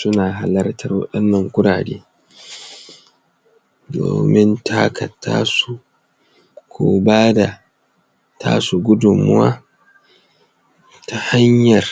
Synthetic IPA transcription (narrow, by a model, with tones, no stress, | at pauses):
sʊ˦naː˨ɦa˨lɐ˦rtʰɐ˦rwɐ̰˦ɗɐ˦nːɐ˨ŋkʷʊ˦ɽaː˨ɽeː˦ | do̰ː˨mɪ˦ntʰa˦kʰɐ˨tʰːaː˦su˦˨ | kʷʰoː˦baː˦da˨ | tʰa̰ː˦su˨ɡʷʊ˦dʊ˨mːʊ̰˦waː˦ | ta˨ha˦ɲjɐ˨r